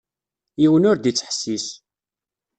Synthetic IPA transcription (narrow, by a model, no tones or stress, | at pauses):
jiwənʊɾd̪it͡sːəħsːis